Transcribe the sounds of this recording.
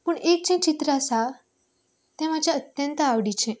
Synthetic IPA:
pəɳek̚t͡ɕə̃t͡ɕit̪ɾəsa | t̪ɛ̃mad͡ʑjaət̪jə̃nt̪əaʋɽit͡ɕɛ̃

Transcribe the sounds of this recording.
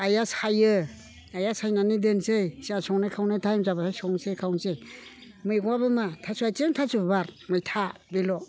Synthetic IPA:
ajasajɯ | ajasajnanidensejsiasɔŋnajkʰawnatʰajmzabasʰajsɔŋsejkʰawŋsej | mɯjɡɔwabɯmatʰasuajt͡ʃemtʰasubbaɾmajtʰabilɔ

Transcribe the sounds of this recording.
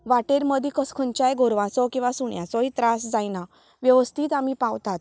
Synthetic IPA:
ʋaʈeɾməd̪ʱikəskʰənt͡ɕajɡoɾʋãt͡sɔkĩw̃ʋasuɳja̰t͡sɔit̪ɾasd͡zajna | ʋjəʋəst̪ʰiːt̪amipãʋt̪at̪̚

